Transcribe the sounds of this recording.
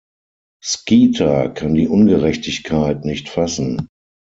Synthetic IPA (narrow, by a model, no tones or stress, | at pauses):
skiːtʰakʰandiːʔʊnɡəʁɛçtɪçkʰaɪtnɪçtfasn̩